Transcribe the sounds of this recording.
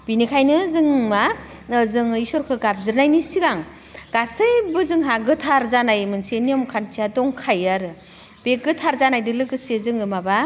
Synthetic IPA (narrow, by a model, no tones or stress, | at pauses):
binikʰajnɯzɯŋmazɯŋisɔɾkʰɯɡap̚zɯɾnajnisiɡaŋ | ɡ̥asɯjbɯzɯŋɦaɡɯtʰaɾzanajmɯnseniɔmkʰantʰijadɔŋkʰajaɾɯ | b̥eɡɯtʰaɾzanajdɯlɯɡɯsezɯŋɯmaba